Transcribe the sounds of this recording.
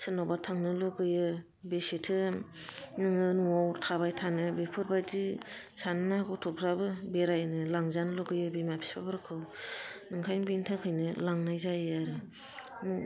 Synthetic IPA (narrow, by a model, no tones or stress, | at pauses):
sɯnawbatʰaŋnɯlɔɡɯjɯ | besetʰɯ | nɯŋɯnuawtʰabajtʰanɯbepʰɯɾbadi | sanɯnaɡɔtʰɔpʰɾabɯbeɾajnɯlaŋzanlɔɡɯjɯbemapʰi̥sbabɯɾkʰɯwnɯŋkʰajnbintʰaŋkʰɯjnɯlaŋnajzajɯaɾɯ | mu